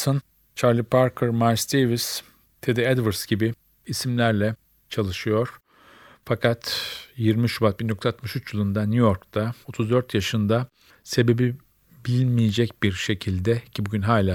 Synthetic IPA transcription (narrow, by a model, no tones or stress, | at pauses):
sɯn | t͡ʃʰaɾlʲipʰaɾkʰɯɾmaɾsd̪evis | t̪ʰed̪ɛɛd̪vɯɾsɟibi | isimlʲæɾlʲɛ | t͡ʃʰalˠɯʃɯjo̞ɾ̥ | fakʰat̪ʰjiɾmiʃubat̪̚bind̪ok̪ʰat̪mɯʃyt͡ʃjɯlˠɯnd̪anujo̞ɾkt̪ʰao̞t̪ʰuzd̪øɾt̪jaʃɯnd̪a | se̞be̞bi | bilʲinmijed͡ʒɛcbiɾʃe̞cʰilʲd̪ɛcʰibuɟynɦaːlʲaː